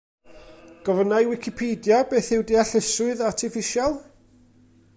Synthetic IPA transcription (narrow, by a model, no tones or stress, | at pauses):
ɡ̥ɔvənajwɪkʰɪpʰeːdjabeːθɪwdiaɬɪsʊɨðartʰɪfɪʃalˠ